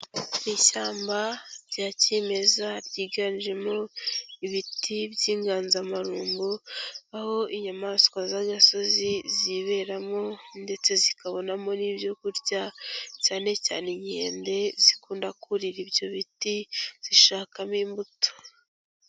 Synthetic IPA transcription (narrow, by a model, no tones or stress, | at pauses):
niʃaːmbabɟaːceme̞zaɾɟiːɡanʒe̞mo̞iβitʰibɟiːŋɡaːnzamaɾuːmbuaho̞ʔiɲamaskwazaɡaso̞ziziβe̞ɾamo̞nde̞t͡se̞zikaβo̞namo̞niːbjo̞kuɾɟacaːne̞ca̰ːneɲe̞̰ːnde̞zikuːndakuɾiɾibjo̞βitiz̥iʃaːkamiːmbuto̥